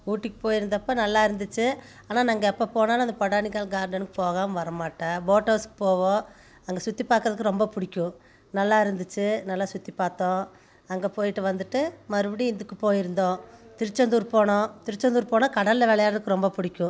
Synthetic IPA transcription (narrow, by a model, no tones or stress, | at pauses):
uːʈːɯkːɯ̥poːjɪɾɯnd̪ɐpːonɐlːaːɪɾɯnd̪ɯt͡ʃːɯ | aːnaːnɐŋɡɐɛpːopoːnaːlɐnd̪ɐpɐɽaːnɪkaːɭɡaːɾɖɐnɯkɯpoːɣaːmʋɐɾɐmaːʈːɐ̃boːʈːɐːskɯ̥poːʋõː | ɐŋɡɐsʊt̪ːipːaːɾkɯɾɐðɯkːɯɾɔmbɐpʊɽɪkʲːʊ̃ | nɐlːaːɪɾɯnd̪ɯt͡ʃːɯnɐlːaːsʊt̪ːipːaːɾt̪õː | ɐŋɡɐpoːjɪʈːɯʋɐnd̪ɯʈːɯmɐɾɯbɐɽiɪnd̪ɯkːɯpoːjɪɾɯnd̪õːt̪ɪɾɯt͡ʃːɔnd̪uːɾpoːɳõːt̪ɪɾɯt͡ʃːɐnd̪uːɾpoːnãːkɐɽɐlːɐʋɛlɐjaːɾɐðɯkːɯɾɔmbɐpʊɽɪkʲːʊ̃